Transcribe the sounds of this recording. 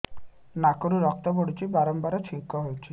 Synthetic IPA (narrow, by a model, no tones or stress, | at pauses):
nakoɾuɾɔk̚t̪ɔboɽit͡ʃibaɾɔmbaɾɔt͡ʃʰiŋkɔɦojt͡ʃʰi